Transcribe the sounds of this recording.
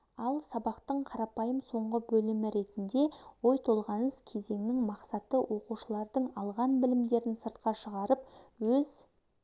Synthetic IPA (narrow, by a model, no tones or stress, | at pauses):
ɑlˠsɑbɑqt̪əɴqʰɑɾɑpɑjəmso̞ɴʁəbɵlɪmɪɾe̞t̪ɪnd̪e̞wo̞jt̪ʰo̞lˠʁɑnəskʲʰe̞ze̞ŋnɪŋmɑqsɑt̪əwo̞quʃəlˠɑɾd̪əɴɑlˠʁɑnbɪlɪmd̪e̞ɾɪnsəɾt̪̚qɑʃəʁɑɾəpwɵz̥